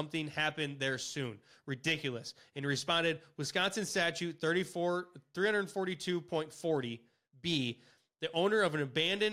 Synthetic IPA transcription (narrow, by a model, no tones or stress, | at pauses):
ʌ̃mθɪ̃ŋhæpɨ̃nðə˞sʉ̃n | ɹɨdɪkjl̩ˠəsɨ̃niɹɨspɑ̃ndɨd̚wɨð̥skɑtsɨ̃nstæt͡ʃʉt̪̚θɜ˞ɾifθɹihʌ̃ndədn̩fɔɹɾitʰʉpʰɔ̃ɪ̃ntfɔɹɾi | bi | ðiʔõʊ̃nə˞ʌvɨ̃nɨbæ̃ndɨ̃n